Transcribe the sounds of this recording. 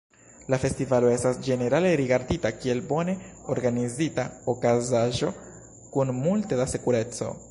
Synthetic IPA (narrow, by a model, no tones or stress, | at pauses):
lafe̞stivalo̞e̞stasd͡ʒe̞ne̞ɾale̞ɾiɡaɾditakie̞lbo̞ne̞oɾɡanizitaokazaʒo̞ | kunmultedasekuɾe̞t͡so̞̰